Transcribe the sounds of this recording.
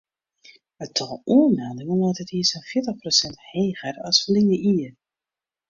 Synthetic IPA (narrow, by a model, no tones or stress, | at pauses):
ətʰɔlˠʔuənmɛlˠdɪŋənɔtətiəsɔnfjɪətəχprosɛntheːɣərɑsfliəʔiə